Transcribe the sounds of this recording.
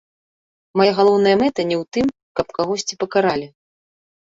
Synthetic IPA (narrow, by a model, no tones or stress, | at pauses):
majaɣalˠɔwn̪ɐjɐmɛt̪ɐnʲɛwt̪ɨm | kɐpkaɣɔsʲt͡sʲipɐkaɾalʲi